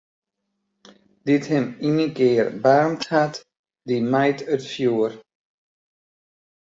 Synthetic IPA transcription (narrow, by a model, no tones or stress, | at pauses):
d̥ɪthɛminəkɪːrbaːnthat | dimajtətfjuːər